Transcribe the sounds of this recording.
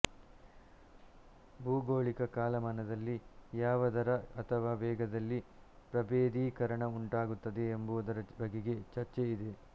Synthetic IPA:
bʱuːɡoːɭikɐkaːlɐmɐnɐd̪ɐlːijaːʋɐd̪ɐɾɐɐt̪ʰɐʋaːʋɛːɡɐd̪ɐlːi | pɾɐbeːd̪iːkɐɾɐɳɐuɳʈaːɡut̪ːɐd̪e̞ːmbud̪ɐɾɐbɐɡːeɡe̞t͡ʃɐɾt͡ʃeid̪e

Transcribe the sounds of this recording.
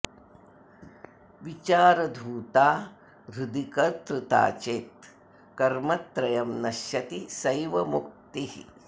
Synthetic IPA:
ʋit͡ʃaːɾɐd̪ʱuːt̪aː | ɾud̪ikɐɾt̪ɾut̪a̰ːt͡ʃeːt̪ | kɐɾmɐt̪ɾɐjɐmnɐʃjɐt̪isɐjʋɐmuk̚t̪ihi

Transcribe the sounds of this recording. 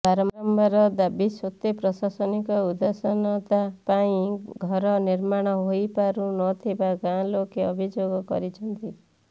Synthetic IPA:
baɾɔmɔmbɔɾɔd̪abisot̪epɾɔsasɔnikɔud̪asɔnɔt̪apaĩɡʱɔɾɔniɾmaɽ̃ɔɦojpaɾunɔt̪ʰibaɡãlokeɔbʱid͡ʒoɡɔkɔ̰ɾit͡ʃʰɔnt̪i

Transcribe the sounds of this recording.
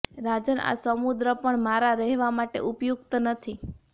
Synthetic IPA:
ɾad͡ʒəna̰səmud̪ɾəpəɳmaɾaɾɛɦʋamaʈḛʔupjuɡt̪ənət̪ʰi

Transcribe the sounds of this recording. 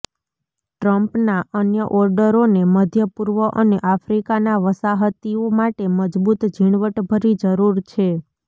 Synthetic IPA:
ʈɾəmpnaʔənjəʔɔɾɖəɾoneməd̪ʱjəpuɾʋəʔəneʔafɾikanaʋəsaɦət̪iomaʈeməd͡ʒbut̪d͡ʒʱiɳ̃ʋəʈbʱəɾid͡ʒəɾuɾt͡ʃʰe

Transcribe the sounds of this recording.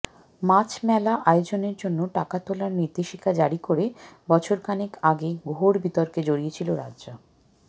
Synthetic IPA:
mat͡ɕmɛlaʔajod͡ʑoneɾd͡ʑonːoʈakat̪olaɾniɾd̪eʃikʰad͡ʑaɾikoɾebɔt͡ɕʰoɾkanekaɡeɡʱoɾbit̪oɾked͡ʑoɾiet͡ɕʰiloɾadːd͡ʑo

